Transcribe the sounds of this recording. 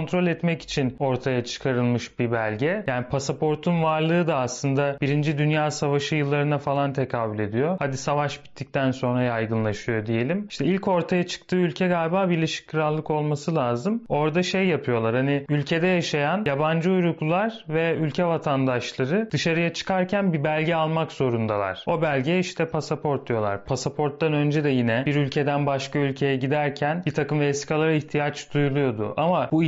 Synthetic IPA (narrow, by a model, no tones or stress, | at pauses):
ont̪ɾo̞lʲɛt̪mɛci̥t͡ʃʰino̞ɾt̪ʰajat͡ʃʰɯ̥kʰaɾɯlˠmɯʃbibælʲɟɛjaːnipʰasapʰo̞ɾt̪ʰunvaɾlˠɯːd̪aːslˠɯnd̪abiɾind͡ʒid̪ynjaːsavaʃɯjɯlˠːaɾɯnafalˠant̪ʰekʰaːbylʲe̞d̪ijo̞had̪isavaʃbi̥t̪ʰːic̚t̪ʰænso̞nɾajajɡɯnlˠaʃɯjo̞d̪ije̞lʲimiʃt̪ʰɛilʲco̞ɾt̪ʰajat͡ʃʰɯ̥k̚t̪ʰɯːylʲcʰɛɡalʲbaːbiɾlʲeʃi̥kʰːɯɾalˠːɯko̞lˠmasɯlʲaːzɯmo̞ɾd̪aʃejːapʰɯjo̞lˠaɾhanɪylʲcʰe̞d̪ɛjaʃajanjaband͡ʒɯujɾuklˠulˠaɾvɛylʲcʰɛvat̪ʰand̪aʃlˠaɾɯd̪ɯʃaɾɯjat͡ʃʰɯ̥kʰaɾcʰænbibælʲɟɛalˠmakzo̞ɾund̪ava̰ɾ̥o̞bælʲɟɛiʃt̪ʰɛpʰasapʰo̞ɾt̪̚d̪ujo̞lˠa̰ɾpʰasapʰo̞ɾt̪̚d̪anø̞nd͡ʒɛd̪ɛjinɛbiɾylʲcʰe̞d̪ænbaʃkaylʲcʰe̞jɛɟid̪æɾcʰænbit̪ʰakɯmvesi̥kʰalˠaɾaiçt̪ʰijat͡ʃd̪ujulˠujo̞d̪ʊ̰ʔamabu